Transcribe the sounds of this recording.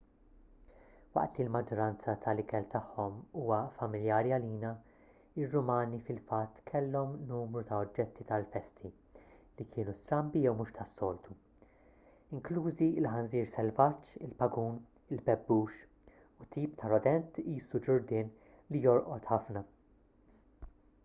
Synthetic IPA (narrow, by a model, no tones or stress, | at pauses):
wɐ̰ʔt̪lilmɐd͡ʒːɔɾɐnt͡sɐt̪ʰɐlɪkɛlt̪ɐħːɔmuːwɐfɐmɪljɐːɾiɐliːnɐ | ɪrːʊmɐːnifɪlfɐt̪ːkʰɛlːɔmnuːmɾut̪ɐɔd͡ʒːɛt̪ʰːit̪ɐlfɛst̪ʰi | likʰɪːnust̪ɾɐmbijɛwmuːʃt̪ɐsːɔːlt̪ʰu | ɪŋkluːziɪlħɐnziːɾsɛlvɐt͡ʃːɪlpɐɡuːn | ɪlpɛbːuːʃ | ʊt̪iːpt̪ʰɐɾɔd̪ɛnt̪iːsud͡ʒʊɾd̪ɪːn | lijɔɾʔɔt̪ħɐfnɐ